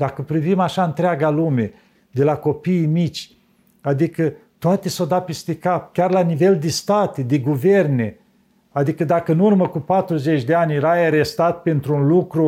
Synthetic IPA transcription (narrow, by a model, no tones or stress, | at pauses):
d̪akəpɾivimaʃaɨnt̪ɾeaɡalume̞ | d̪e̞lako̞piːmit͡ʃʲ | ad̪ikət̪oat̪esowd̪apest̪ekap̚kʲarlanive̞ld̪est̪at̪ed̪eɡuverne̞ | ad̪ikəd̪akəɨnurməkupat̪ɾuzet͡ʃʲd̪eanʲjeɾajaɾest̪at̪̚pent̪ɾuːnlukɾu